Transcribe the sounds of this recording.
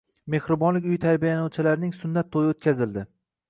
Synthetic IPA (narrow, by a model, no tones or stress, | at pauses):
me̞hɾɪbɒnlɪkʲʊjt̪ʰaɾbijanɒwt͡ʃʰɪlaɾɪnɪŋsʊnːat̪ʰːojɪot̪̚kʲazɪld̪ɪ